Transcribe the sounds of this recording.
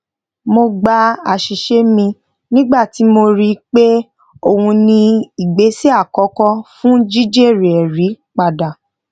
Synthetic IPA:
mo˧ɡ͡ba˧a˨ʃi˨ʃe˦mĩ˧ | nĩ˦ɡ͡ba˦˨ti˨˦mo˧ɾi˦k͡pe˦ | o˦˨hũ˧nĩ˧i˨ɡ͡be˨˦si˦a˦˨kɔ˨˦kɔ˦fũ˦d͡ʒi˦d͡ʒe˦˨ɾe˨ɛ˨ɾi˨˦ | k͡pa˨da˨

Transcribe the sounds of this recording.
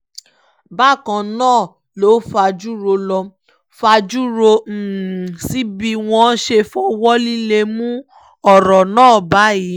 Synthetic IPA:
ba˦˨kã˧nãː˦˨ | lo˨˦fa˧d͡ʒu˦ɾo˧lɔ˧ | fa˧d͡ʒu˦ɾo˧˨si˨˦bi˧w̃ɔ̃˧˦ʃe˧fɔ˦wɔ˦li˦le˧mũ˦ | ɔ˦˨ɾɔ˨nãː˦˨ba˨˦ji˨˦

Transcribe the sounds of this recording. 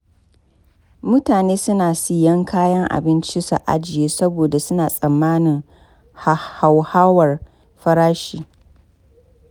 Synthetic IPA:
mʊ˦taː˨neː˦sʊ˦naː˨si˦jɐ˦ŋkʰaː˦jɐ˦ŋʔa̰˨bɪ˦nt͡ʃi˦sa̰˨ʔa̰˦d͡ʒɪ˨jeː˦sɐ˦boː˨da˨sʊ˦naː˨sʼɐ˨mːaː˦nɪ˨ŋ | ha˨ha˨whaː˦wɐ˨r | ɸɐ˦ɾaː˦ʃiː˦˨

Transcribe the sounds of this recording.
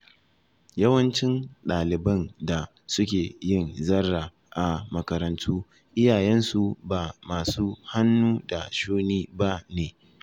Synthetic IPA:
jɐ˦wɐ˦nt͡ʃɪ˦nɗaː˨lɪ˨bɐ˦nda˨ | sʊ˦kʲeː˨jɪ˦˨nzɐ˦rːa˨ | ʔa˨mɐ˨kɐ˨ɾɐ˨ntʰuː˦ | ʔɪ˦jaː˨jɛ˦nsu˨baː˨maː˨suː˦ha˦nːuː˦da˨ʃuː˦niː˦ba˦neː˨

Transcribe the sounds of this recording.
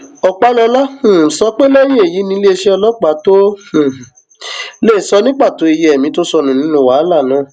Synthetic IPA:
ɔ˨k͡pa˦lɔ˧lã˦˨sɔ˧˦k͡pe˦la˦je˦e˨ji˨˦nĩ˧˦le˦˧ʃe˦ɔ˧lɔ˦k͡pa˨˦tõ˦˨ | le˦˨sɔ˧˦nĩ˦k͡pa˦˨to˨˦i˧jɛ˨ɛ˨mĩ˧˦to˦sɔ˧nũ˨nĩ˨˦nũ˦˨wa˨˦la˦˨nã˨˦˨

